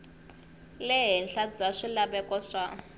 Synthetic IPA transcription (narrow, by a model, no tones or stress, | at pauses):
lɛɦɛnɬad͡zaʂilaɓɛkʼɔʂa